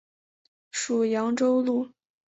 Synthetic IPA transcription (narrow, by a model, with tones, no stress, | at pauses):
ʂu˨˩jɑ˧˥ŋʈ͡ʂo˥ʊlu˥˩